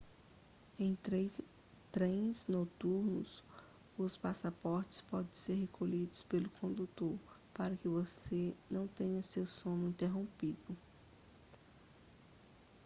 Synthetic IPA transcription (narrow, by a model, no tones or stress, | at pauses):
ẽj̃t̪ɾe | t̪ɾẽj̃znot̪uɾnʊ̰s | ʊspasapɔɾt͡ʃɪ̥spɔd̪ẽj̃seɾɦekʰoʎid̪ʊspelʊkʰõnd̪ut̪oɾ | paɾɐkɪvosenɐ̃w̃t̪ẽɲɐsewsõnʊĩnt̪eɦõpid̪ʊ